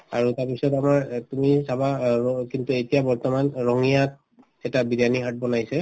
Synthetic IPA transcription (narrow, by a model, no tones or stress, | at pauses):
a̰ɹutaɹpisɔtamaɹtumidʰʱabaɔkintuetijabɔɹtɔmanɹɔŋijat̚ | ɛtabidaniɦat̚bɔnajsɛ